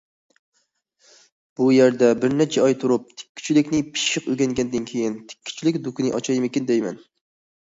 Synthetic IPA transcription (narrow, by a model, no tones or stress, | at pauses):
b̥ujeɾd̪ɛbɪɾnɛt͡ʃʰɛɑjt̪ʰuɾup̚t̪ʰɪ̥kʲʰːy̥t͡ʃʰilɪkʲnɪpʰɪ̥ʃɨqøɡʲɛŋɡʲɛnd̪ɪnkʲʰejint̪ʰɪ̥kʲʰːy̥t͡ʃʰilɪkʲd̪ukʲinɪʔɑt͡ʃʰɑjmɪkʲind̪ɛjmɛn